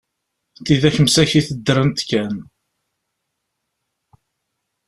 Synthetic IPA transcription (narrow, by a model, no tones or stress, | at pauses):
t̪iðæçəmsæçiθəd̪ːɾˤənt̪kːæn